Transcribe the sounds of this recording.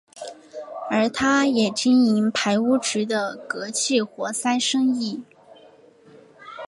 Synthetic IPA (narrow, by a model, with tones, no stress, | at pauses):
ə˞˧˥t̪ʰa˥jɛ˨˩t͡ɕi˥ni˧˥ŋpʰa˧˥ɪu˥ʈ͡ʂɻ̩˧˥d̪ə˧kɤ˧˥t͡ɕʰi˥˩xwɔ˧˥sa˥ɪʂɤ˥ŋi˥˩